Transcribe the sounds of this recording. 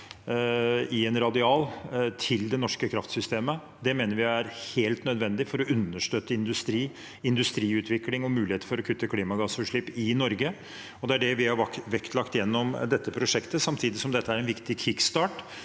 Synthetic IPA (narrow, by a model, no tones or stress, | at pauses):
ɪɛnɾɑd̪ɪɑːlt̪ʰɪld̪ɛnɔʂkəkʰɾɑft̪sʏst̪eːmə | d̪ɛmeːnəɾʋɪæɾheːlt̪nœd̪ʋɛnd̪ɪfɔɾɔʉnːəʂʈøːt̪ːəɪnd̪ʉst̪ɾiː | ɪnd̪ʉst̪ɾiːʉːt̪ʰʋɪklɪŋɔmʉːlɪheːt̪əfɔɾɔkʰʉt̪ːəkʰliːmɑɡɑsʉʂɭɪpːɪnɔɾɡə | ɔd̪ɛæɖɛʋɪhɑɾɑkʋɛkt̪lɑkt̪jɛnːɔmd̪ɛt̪ːəpʰɾʊʂɛkt̪əsɑmt̪ʰiːd̪ɪsɔmd̪ɛt̪ːəæɾɛnʋɪkt̪ɪkʰɪkst̪ɑːʈ